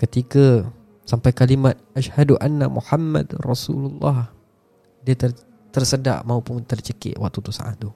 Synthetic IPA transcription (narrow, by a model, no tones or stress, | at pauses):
kət̪ika | sampajkalimat̪̚ʔaʃhaduʔanːamʔṵħamːa̰drɑsululːɑ̰h | diat̪ər | t̪ərsəda̰ʔmaupʊŋt̪ərt͡ʃəkɪ̰ʔwat̪ut̪usa̰ʔa̰d̪u